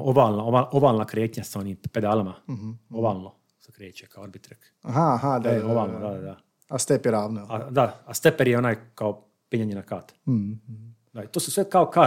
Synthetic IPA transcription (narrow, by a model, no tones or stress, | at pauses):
obaːlnaobaʔobaːlnakɾeːt̪ɲasaoniːmped̪aːlamaɦobaːlˠno | sḁkɾeːt͡ɕekʰaooɾbit̪ɾek | aɦaɦad̪aeobaːlˠnod̪ad̪ad̪a | ast̪epjeɾaːʋnoad̪aast̪epeɾjeo̞naːjkao | piɲaɲenakaːt̪ | d̪ait̪oːsusʋekaoka